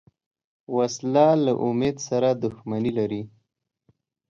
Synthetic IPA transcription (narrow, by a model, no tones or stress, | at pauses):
waslɑlaʔʊmed̪saɾad̪ʊxmanilaɾi